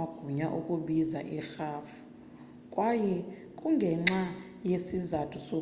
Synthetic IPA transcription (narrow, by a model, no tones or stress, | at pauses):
aɡ̥ʱuɲaʔukʼuɓiza̰ʔɛxaːfu̥ | kʼwajɛ | kʼuŋɡʱɛŋ͡ǁa | jesizatʰuso